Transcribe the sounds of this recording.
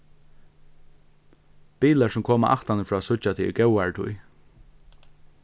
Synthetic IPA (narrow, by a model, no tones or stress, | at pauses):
b̥iːlaɹsʊmkʰoːmaʔa̰ht̪anəfɹɔːsʊt͡ʃat̪ʰiɡɛwaɹʈʰʊj